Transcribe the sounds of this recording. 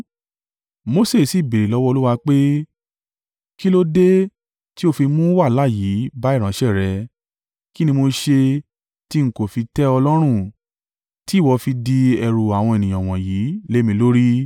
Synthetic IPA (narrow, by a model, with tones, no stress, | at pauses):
mo˧˦se˦˨si˨be˨ɾe˨lɔ˨˦wɔ˦o˧lu˦wa˧k͡pe˦ | ki˦lo˦de˦ | ti˦o˦fi˧mũ˦wa˦˨la˦˨jiː˨˦ba˦i˦˨ɾ̃ã˨˦ʃɛ˦˨ɾɛ˧ | ki˦nĩ˧mo˧ʃe˧ | ti˦ŋ̩˦ko˦˨fi˧tɛ˦ɔ˧lɔ˦ɾ̃ũ˦˨ | ti˦˨wɔ˧fi˧di˧ɛ˧ɾu˨a˨w̃ɔ̃˧e˨nĩ˨j̃ã˨w̃ɔ̃˨jiː˨˦le˨˦mĩ˧lo˦ɾi˦